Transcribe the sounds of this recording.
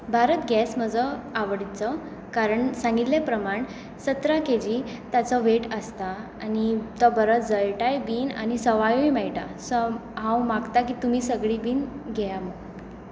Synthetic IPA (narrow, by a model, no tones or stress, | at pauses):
bʱaɾət̪ɡjɛsməd͡zɔaʋɽit͡sɔ | kaɾəɳsãŋɡit̪lepɾəmaɳ | sət̪ɾaked͡ʑiːt̪at͡sɔʋeʈəst̪aanit̪ɔbəɾət͡sd͡zəjʈajbiːna̰nisəʋajoimajʈasəɦãwmaɡt̪akiːt̪umiːsəɡɭibiːnɡʱɛjaməɡ